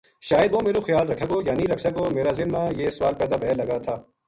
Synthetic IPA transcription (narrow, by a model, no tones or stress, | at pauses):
ʃaːjəd̪ʋomeːɾoxɪjaːlɾɐkʰeɡoːjaːniɾɐkʰsɐɡoːmeːɾaːzɪnmãːjeːsʋaːlpɛːd̪aːbʱɛːlɐɡat̪ʰaː